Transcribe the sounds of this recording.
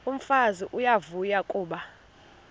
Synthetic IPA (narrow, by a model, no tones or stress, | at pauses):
um̩faziʔujavujakʼuːɓa